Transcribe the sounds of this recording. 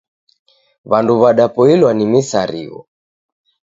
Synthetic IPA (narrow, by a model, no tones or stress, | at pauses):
βanduβaɗapɔilwanimisaɾḭɣɔ̰